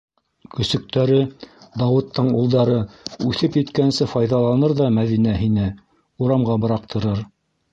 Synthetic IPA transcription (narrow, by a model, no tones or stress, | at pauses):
kɵ̆sɵ̆k̚t̪æɾɘd̪ɑwɤ̆t̪ːɤɴulˠd̪ɑɾɤʉθɘpjɘ̆t̪kænsɘfɑjðɑlˠɑnɤɾðɑmæðinæɦinɘ | uɾɑmɢɑbɤ̆ɾɑq̚t̪ʰɤ̆ɾɤɾ